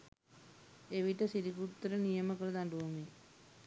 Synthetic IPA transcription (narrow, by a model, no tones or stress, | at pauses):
eʋiʈəsiɾik̬ɾut̪ːɾənijɐməkəlɐd̪aɳɖuʋɐmi